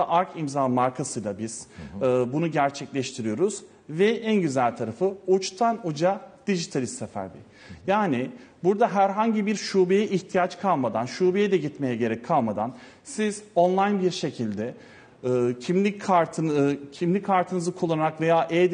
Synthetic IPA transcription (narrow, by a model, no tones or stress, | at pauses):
ʔaɾkʰimzaːmaɾkʰasɯjlˠabiz̥ːbunuɟæɾt͡ʃʰɛclʲɛʃt̪ʰiɾijo̞ɾuz̥ | vɛʔænɟyzælʲt̪ʰaɾafɯut͡ʃt̪ʰanud͡ʒad̪̥iʒit̪ʰalʲist̪ːɛfæ̰ɾb̪ʲɛ̰ | jaːnɪbuɾd̪aɦæɾɦaɲɟibiɾʃuːbejɛʔiçt̪ʰijat͡ʃkʰalˠmad̪anʃuːbejɛd̪ɛɟit̪me̞jɛɟe̞ɾɛcʰːalˠmad̪an | sizo̞nlˠajnbiɾʃe̞cʰilʲd̪ɛː | cʰimlʲikʰaɾt̪ʰɯncʰimlʲickʰːaɾt̪ʰɯnɯzɯkʰulˠːanaɾakve̞jaːʔɛd̪